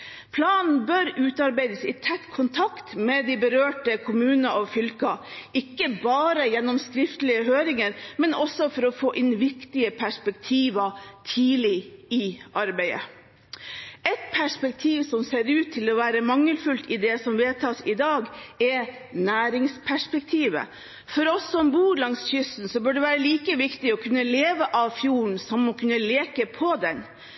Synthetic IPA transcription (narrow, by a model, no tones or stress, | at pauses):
pʰlɑːnn̩bœɾʉːt̪ɑɾbæɪd̪əsɪt̪ʰɛt̪ːkʰʊnt̪ʰɑkt̪mɛd̪ɪbəɾøːʈəkʰʊmʉːnəɔʋfʏlkɑʔɪkːəbɑːɾəjɛnːɔmskɾɪft̪əlɪəɦøːɾɪŋəɾmɛnɔsɔfɔɾɔfoːʔɪnːʋɪkt̪ɪəpʰæʂpɛk̚t̪ʰiːʋɑt̪ʰiːlɪɪʔɑɾbæɪə̰ | ɛt̪pʰæʂpɛk̚t̪ʰiːʋsɔmseːɾʉːt̪ʰːɪlɔʋæːɾəmɑŋːəlfʉlt̪ɪd̪ɛsɔmʋeːt̪ʰɑːsɪd̪ɑːɡɛ | næːɾɪŋspʰæʂpɛk̚t̪ʰiːʋə̰ | fɔɾɔsːɔmbuːlɑŋsçʏst̪n̩sɔbʉɖɛʋæːɾəliːkəʋɪkt̪ɪɔkʰʉnːəleːʋəʔɑʋfjuːɳ̩sɔmːɔkʰʉnːəleːkəpʰɔd̪ɛn